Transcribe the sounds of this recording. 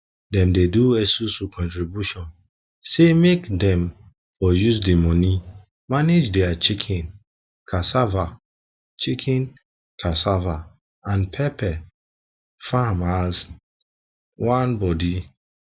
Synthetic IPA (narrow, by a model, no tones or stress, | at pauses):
dɛ̃mdeduɛsusukʰɔ̃ntɹibjuʃɔ̃n | semekdɛ̃m | fɔjuzdimɔni | maned͡ʒdɛat͡ʃikʰĩn | kʰasava | t͡ʃikʰĩn | kʰasava | ãnpʰɛpʰɛ | famaz | wãnbɔdi